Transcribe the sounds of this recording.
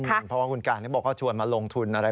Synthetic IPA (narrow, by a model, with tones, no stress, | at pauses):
npʰɔ˦wa˥˩ku˧nkaː˨˩niː˦˥˩bɔː˨˩k̚ːɔː˥˩t͡ɕʰu˧ənmaː˧lo˧ŋt̪ʰu˧nʔa˧ɾa˧